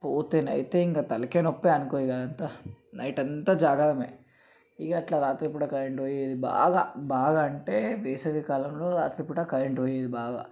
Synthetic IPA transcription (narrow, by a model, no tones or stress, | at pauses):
poːt̪eːnɐ̰jit̪eːiŋkaːt̪ɐlɐkeːnopːeːɐnukoːjiɡaːd̪ɐnt̪anɐjiʈɐnt̪aːd͡ʒaːɡɾaɾɐmḛː | iɡɐʈlɐɾaːt̪ɾipiʈakɐɾeɳʈojeːd̪iba̰ːɡaːbaːɡaɐɳʈe̞ːʋeːsɐʋikaːlɐmlo̞ːɾaːt̪ɾipiʈakɐɾeɳʈoːjeːd̪ibaːɡa̰ː